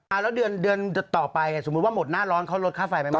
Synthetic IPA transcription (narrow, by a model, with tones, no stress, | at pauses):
ʔa˧˩lɛ˦˥wdɯ˧əndɯ˧ən˧˩t̪ɔː˨˩pa˧ja˨˩so˩˦u˦˥waː˥˩mo˨˩t̪̚naː˥˩ɾɔː˦˥nkʰa˦˥˩wlo˦˥t̪̚ʰaː˥˩fa˨˩jpa˧j